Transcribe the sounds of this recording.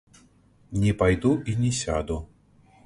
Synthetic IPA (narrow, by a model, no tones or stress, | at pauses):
nʲɛpajd̪uʔinʲɛsʲa̰d̪u